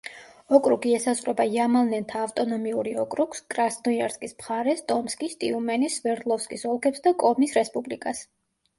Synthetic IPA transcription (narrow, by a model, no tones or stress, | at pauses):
ɔkʼɾuɡiɛsasʼχʼɾɛbaiamalˠnɛnt̪ʰaːft̪ʼɔnɔmiuɾiɔkʼɾukskʼɾasnɔjaɾskʼismχaɾɛst̪ʼɔmskʼist̪ʼiumɛnisvɛɾd̪lˠɔfskʼisɔlˠkʰɛpsd̪akʼɔmisɾɛspʼublikʼas